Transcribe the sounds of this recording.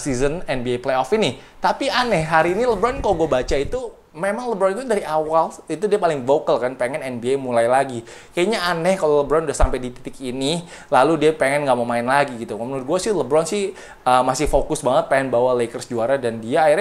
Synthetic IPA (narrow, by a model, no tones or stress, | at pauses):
sizənɛnbiajplejɔfini | t̪apianɛhɦaɾiːniləbɾɔnkaloɡuabat͡ʃait̪u | memaŋləbɾɔnit̪udaɾiawalit̪udiapalɪŋvokəlkanpeŋɛnɛnbiajmulajlaɡi | kajaɲaanɛhkaloləbɾɔnudahsampajdit̪i̥p̪ɪkini | laludiapeŋɛnŋɡaʔmomaɪnlaɡiɡit̪uməmənɡuasɪhləbɾɔnsɪh | əmasɪhfokʊsbaŋət̪̚peŋɛnbawalekərsd͡ʒuaɾadandiaːira